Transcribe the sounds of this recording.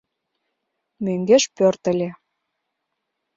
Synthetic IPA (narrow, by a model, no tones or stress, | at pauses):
møŋɡeʃpørt̪ə̆lʲe